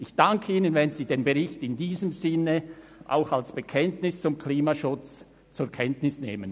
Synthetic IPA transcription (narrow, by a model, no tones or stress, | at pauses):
ʔɪçd̥aŋkʰəiːnənvɛnziːdeːnbəʁɪçtɪndiːzəmzɪnə | ʔa̰ʊxalsb̥əkʰɛntnɪst͡sʊmkʰliːmaʃʊt͡s | t͡sʊɾkʰɛntnɪsneːmən